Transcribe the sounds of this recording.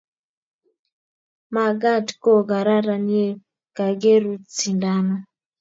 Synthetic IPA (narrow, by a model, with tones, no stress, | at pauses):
ma˨ɡa˦˨tko˦ɡa˨ɾa˦ɾa˨ne˦ | ka˨ɡe˦ɾu˦t͡si˨nda˦nɔ˦